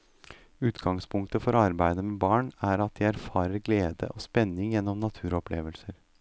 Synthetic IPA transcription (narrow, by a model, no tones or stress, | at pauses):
ʉːt̪ɡɑŋspʰʊŋk̚t̪əfɔɾɑɾbæɪd̪əmɛːbɑːɳæɾɑt̪̚d̪ɪæɾfɑːɾəɾɡleːd̪ə̰ʔoːspɛnːɪŋjɛnːɔmnɑt̪ʰʉːɾɔplḛːʋəlsəɾ